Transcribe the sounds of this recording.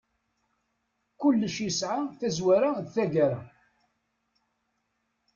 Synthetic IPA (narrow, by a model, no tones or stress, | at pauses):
kʊlːəʃjisʕaθæzwaɾaðθæɡaɾa